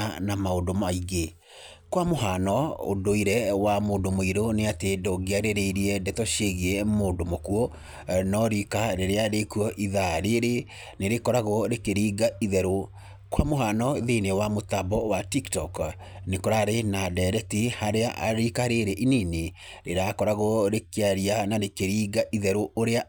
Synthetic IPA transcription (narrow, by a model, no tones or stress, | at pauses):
namaodomaiɣe | kwamoɦanɔo̰doiɾɛwamoːndomoiɾoneatedoɡeaɾeɾeiɾiɛdɛtɔʃeɣiɛmoːndomokuɔ | nɔɾikaɾeɾeaɾekuɔʔiðaɾeɾe | neɾekɔɾaɣɔɾekeɾiːɡaiðɛɾo | kwamoɦanɔðenewamotabɔwatiktɔk | nekɔɾaɾenadɛɾɛtihaɾeaʔa̰ɾikaɾeɾeʔinine | ɾeɾakɔɾaɣɔɾekeaɾianaɾekeɾiːɣaʔiðɛɾooɾea